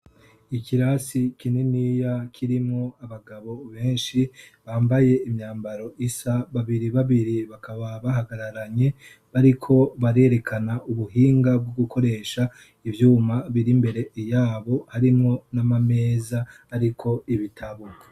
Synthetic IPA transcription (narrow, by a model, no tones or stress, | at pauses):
ikiɾasikinenijakʰiɾimŋo̞aβaɡaβo̞βe̞ːnʃiβaːmbaje̞imɲaːmbaɾo̞ʔisaβaβiɾiβaβiɾiβakʰaβaβaɦaɡaɾaɾaɲe̞ | βaɾikʰo̞βaɾe̞ːɾe̞kʰanaʔuβuɦiːŋɡab̚ɡoɡukʰo̞ɾe̞ːʃa | ivjuːmaβiɾimbe̞ɾe̞ijaːβo̞haɾimŋo̞namame̞ːzaː | ɾikʰo̞iβitʰaβuka